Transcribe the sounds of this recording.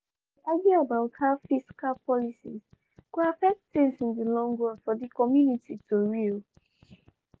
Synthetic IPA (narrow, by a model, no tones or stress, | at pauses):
diʔaɡiabaʊthafiskalpʰɔlisḭz | kuafɛk̚tθĩŋsĩndilɔ̃ŋɡɹɔ̃nfɔðikɔmjunititoɹil